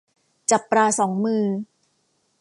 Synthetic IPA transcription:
t͡ɕa˨˩pːɾaː˧sɔː˩˦ŋmɯː˧

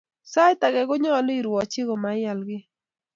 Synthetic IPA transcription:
sa˦jt̪a˨ɡɛ˨ɡɔ˦ɲɔ˦li˦˨ɾwɔ˨t͡ʃɪ˦ɡɔ˨ma˨ja˨lɡɪ˦

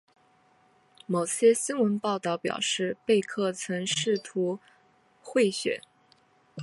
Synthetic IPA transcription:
mo˨˩ʊɕjɛ˥ɕi˥nwə˧˥npɑ˥˧ʊt̪ɑ˥˩ʊpjɑ̰˨˩ʊʂɻ̩˥˧pe˥˧ɪkʰɤ˥˩t͡sʰɤ˧˥ŋʂɻ̩˥˩t̪ʰu˧˥ | xwe˥˩ɪɕɥɛ̰˨˩˦n

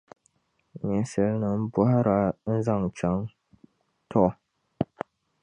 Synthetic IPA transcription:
ɲɛ˨˦sɨ˦lnɨ˦m̩˦bʊ˦ha˦ɾa˦n̩˦za˦ŋ˨t͡ʃa˦ŋ | tʰɔ˦˨

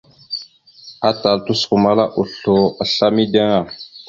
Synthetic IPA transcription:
a˦ta˨ltu˦sku˨ma˦la˦ʔu˨ɬo˨a˨ɬa˦mi˦de˦ŋa˨

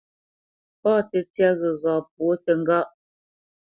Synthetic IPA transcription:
pɔː˦˨tə˨t͡sja˦ɣə˨ɣa˨p̚wo˨˦tə˨ŋ˦ɡa˦ʔ

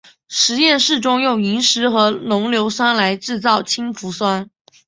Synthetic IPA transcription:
ʂɻ̩˧˥jɛ˥˧nʂɻ̩˥˩ʈ͡ʂʊ˥ŋjʊ˥˩ŋi˧˥ŋʂɻ̩˧˥xɤ˧˥nʊ˧˥ŋljo˧˥ʊswa˥nla˧˥ɪʈ͡ʂɻ̩˥˧t͡sɑ˥˩ʊt͡ɕʰi˥ŋfu˧˥swa˥n

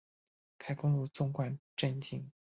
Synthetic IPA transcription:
kʰa˥˩ɪkʊ˥ŋlu˥˧t͡sʊ˥ŋkwa˥˩nʈ͡ʂə˥˧nt͡ɕi˥˩ŋ

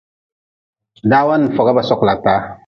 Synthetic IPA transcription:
daː˦wa˦n˨fɔ˨ɡa˦ba˨sɔ˦kla˨taː˨˦

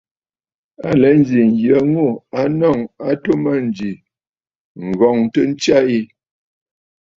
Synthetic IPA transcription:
a˨lə˨˦n̩˦d͡ʒi˨ŋ˨ɡjə˨˦ŋo˦˨a˦nɔ˦˨ŋa˦to˦mə˦˨n̩˨d͡ʒi˨ | ŋ̩˨ɣɔ˨ŋtə˦n̩˦t͡ʃja˦i˦

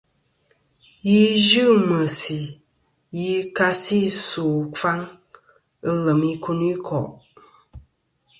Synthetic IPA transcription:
ji˦ʒɨ˦mə˨si˨ | ji˦ka˦si˦soː˨fa˦ŋ | ə˦lə˨mi˦kʰu˦ni˦kʰɔ˨ʔ

